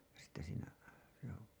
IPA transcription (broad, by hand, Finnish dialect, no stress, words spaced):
jɑ sitːe siːnæ joː